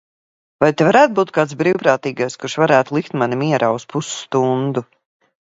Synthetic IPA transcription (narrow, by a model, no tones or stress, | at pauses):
vajt̪evaɾæːt̪̚buːt̪̚kaːt̪sbɾiːwpɾaːt̪iːɡajskuɾʃvaɾæːt̪ulˠikt̪manimiɛɾʔaːuspusu̥st̪und̪u